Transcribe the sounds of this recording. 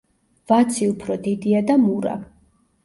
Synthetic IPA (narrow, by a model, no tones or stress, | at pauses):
vat̪sʰiupʰɾɔd̪id̪iad̪amuɾa̰